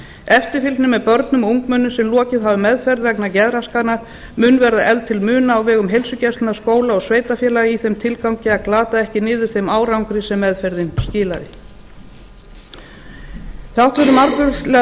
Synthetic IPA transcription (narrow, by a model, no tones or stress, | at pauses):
ɛft̪ɪɾfilt̪nʏmɛðpœɾt̪nʏmuŋkmœnːʏsɛmlɔːcɪðɦavʏmɛðfɛɾðvɛknacɛðɾaskanaɾ̥ | mʏnvɛɾðaʔɛlt̪ʰɪlmʏːnaːwvɛːɣʏmɦejlsʏcɛst̪naskoːwlaɔsveːjt̪afjɛːlajiθejmt̪ʰɪlkawɲcɪaðklaːt̪aɛhcɪnɪːðʏ̥θejmaːwɾawŋkɾɪsɛmːɛðfɛɾðɪnscɪːlaðɪ | θawht̪vɛɾʏmaɾkʏɾslɛ